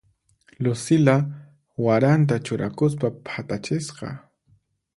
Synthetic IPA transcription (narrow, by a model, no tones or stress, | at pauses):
lʊsɪla | waɾant̪̬at͡ʃʊɾʔakʊspapʰat̪at͡ʃɪsqɑ̰